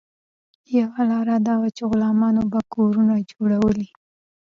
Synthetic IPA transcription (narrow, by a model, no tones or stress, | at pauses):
jawalɑɾad̪ɑwat͡ʃeɣʊlɑmɑnobakoɾunad͡ʒoɽawəli